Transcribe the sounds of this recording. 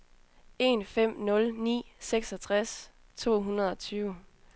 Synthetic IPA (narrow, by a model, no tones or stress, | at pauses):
e̝nfem̰nɔ̽lnḭːseɡ̥sɒ̽t͡sʰʁas | t͡sʰo̝̰ːɦunɐð̞̩ˠɒ̽t͡sʰyːʊ